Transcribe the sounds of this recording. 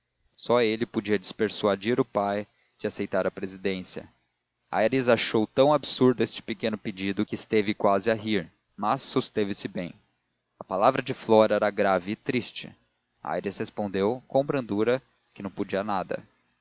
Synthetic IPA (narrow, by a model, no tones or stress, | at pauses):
sɔelɪpod͡ʒiɐd͡ʒɪspeɾsuad͡ʒiɾʊpaj | d͡ʒɪasejt̪aɾɐpɾezid̪ẽsiɐ̰ | a̰jɾizaʃowt̪ɐ̃w̃absuɾd̪ʊest͡ʃɪ̥pekẽnʊped͡ʒid̪ʊkɪːst̪evɪkwazɪaɦiɾ | mɐsːost̪evɪsɪbẽj̃ | ɐpalavɾɐd͡ʒɪflɔɾɐɛɾɐɡɾavɪːt̪ɾist͡ʃɪ̰ | a̰jɾishespõnd̪ewkõw̃bɾɐ̃nd̪uɾɐ | kɪnɐ̃w̃pod͡ʒiɐnad̪ɐ̰